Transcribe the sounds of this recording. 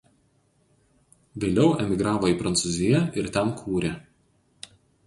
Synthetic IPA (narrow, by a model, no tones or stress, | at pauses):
ʋʲeːlʲɛʊʔɛmʲɪɡɾɑːʋoiːpɾɐnt̪suːzʲɪjɛʔɪɾt̪ʲɛnkʰuːɾʲeː